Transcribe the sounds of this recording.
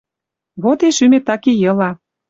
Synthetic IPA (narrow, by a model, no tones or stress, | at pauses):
βot̪eʃymet̪ɑkejɤ̆lɑ